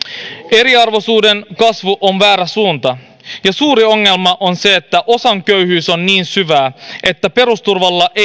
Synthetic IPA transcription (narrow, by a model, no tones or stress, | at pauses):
eɾiɑrʋo̞suːdenkɑsʋuʔonʋæːɾæsuːnt̪ɑ | jɑsuːɾio̞ŋːelmɑʔo̞nse̞ːt̪ːæʔo̞sɑŋkøyhyːsonniːnsyʋæːʔe̞t̪ːæpe̞ɾust̪urʋɑlːɑʔe